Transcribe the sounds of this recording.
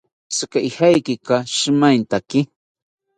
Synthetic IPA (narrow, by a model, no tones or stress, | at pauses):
skaʔɪhajkɪkaʃmajnt̪akɪ